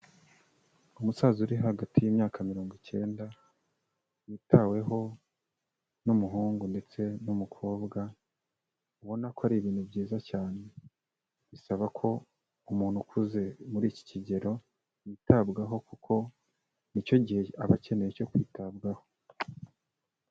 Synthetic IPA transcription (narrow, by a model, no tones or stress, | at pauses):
umusaːzuɾiɦaɡatijimɲaːkamiɾo̞ːŋɡice̞ːnda | jitʰawe̞ɦo̞ | numuɦuːŋɡunde̞t͡se̞numukʰo̞ːbɡa | uβo̞nakoaɾiβiːn̥hubɟiːzacaːne̞ | βisaβakʰo̞ | umuːnhukʰuze̞muɾiːci̥ciɟe̞ɾo̞ | jitabɡaɦo̞kukʰo̞ | nico̞ɟihe̞aβace̞nejeco̞kwiːtabɡaho̞